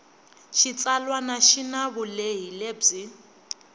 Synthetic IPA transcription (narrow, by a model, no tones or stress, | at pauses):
ʃʰit͡salwanaʃinaβʊleɦileːb͡ʐi